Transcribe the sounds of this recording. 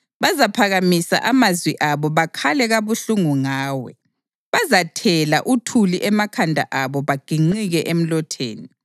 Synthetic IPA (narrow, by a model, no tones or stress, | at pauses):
βazapʰaɣamisa̰ʔamazwiʔaβɔβakʰalɛɣaβuɬuŋuŋaːwɛ̰ | βazatʰɛlaʔutʰuliʔɛmakʰandʱa̰ʔaβɔβaɡ̥ʱiŋ͡ǃiɣɛʔem̩lɔtʰḛːni